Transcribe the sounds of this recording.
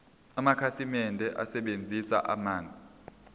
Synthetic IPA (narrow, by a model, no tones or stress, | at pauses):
amakʰasimɛndʱɛʔa̰sɛɓend͡zʱisa̰ʔa̰maːnd͡zʱi